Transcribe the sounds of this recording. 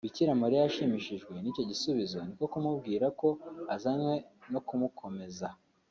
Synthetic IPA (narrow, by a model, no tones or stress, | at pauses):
iciɾamaɾijaʃimiʃiʒɡwe̞nico̞ɟisuβizo̞niko̞kumubɡiːɾako̞azamwe̞no̞kumukʰo̞me̞za